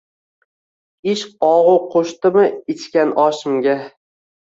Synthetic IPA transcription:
ɪʃɒʁʊqʰoʃt̪ɪmɪɪt͡ʃkʲanʔɒʃɪmɡʲa

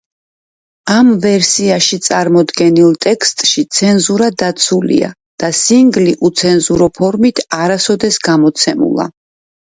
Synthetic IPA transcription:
amvɛɾsiaʃit̪sʼaɾmɔd̪ɡɛnilˠt̪ʼɛkst̪ʼʃit̪sʰɛnzuɾad̪at̪sʰulḭa̰ | d̪̥asiŋɡliʔut̪sʰɛnzuɾɔpʰɔɾmit̪ʰaɾasɔd̪ɛsɡamɔt̪sʰɛmṵlˠa̰

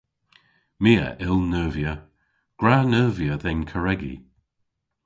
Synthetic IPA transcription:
miːə̰ʔɪlˠnəːvjə | ɡ̥ɹaːnəːvjəðɛnkʰəɹɛɡḭ

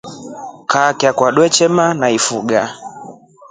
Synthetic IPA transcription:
kakɛakwaɗwɛt͡ʃɛmanaifuɡa

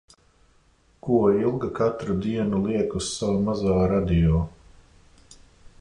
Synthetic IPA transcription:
kuɔilˠɡakat̪ɾud̪iɛnulˠiɛkussawamazaːɾad̪ijɔː

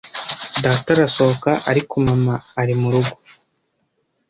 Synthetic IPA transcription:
daːtaɾasookaʔaɾikumamaːɾimuɾuɡu

